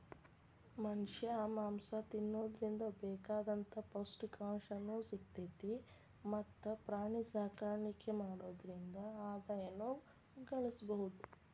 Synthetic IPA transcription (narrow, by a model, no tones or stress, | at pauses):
mɐnʂjɐamaːmsɐt̪inːoːd̪ɐɾind̪ɐbɛːkaːd̪ɐnt̪ʰɐposʈkaːʂɐnːusikt̪et̪i | mɐt̪ːɐpɾaːɳisaːkaːɾɳikːemaːɽoːd̪ɐɾind̪ɐaːd̪ɐjɐnu | ɡɐɭisɐbɐɦud̪u